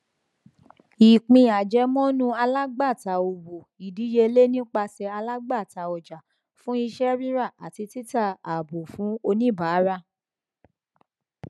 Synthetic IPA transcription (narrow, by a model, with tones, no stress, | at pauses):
i˨k͡pĩ˧˨a˨d͡ʒɛ˨˦mɔ̃˦nũ˦a˧la˦ɡ͡ba˦˨ta˨o˧bo˨i˨di˨˦je˧le˦nĩ˦k͡pa˧sɛ˧a˧la˦ɡ͡ba˦˨ta˨ɔ˨d͡ʒa˨ | fũ˦i˧ʃɛ˦ɾi˦ɾa˦˨a̰˨ti˧ti˦ta˦˨a˨bo˨fũ˨˦o˧nĩ˦˨ba˨˦ɾa˧